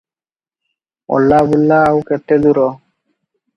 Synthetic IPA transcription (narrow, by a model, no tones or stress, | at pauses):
ɔ̰lːabulːaːwkɛʈːed̪uɾɔ